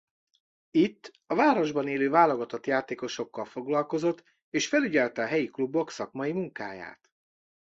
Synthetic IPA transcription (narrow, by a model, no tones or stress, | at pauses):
it̪ː | ɒvaːɾo̞ʒbɒneːløːvaːlo̞ɡɒt̪ot̪jaːt̪eːko̞ʃo̞kːɒlfo̞ɡlɒlko̞zo̞t̪ː | eːʃfɛlyɟɛlt̪ɛɒɦɛjiklubːo̞ksɒkmɒjimuŋka̰ːja̰ːt̪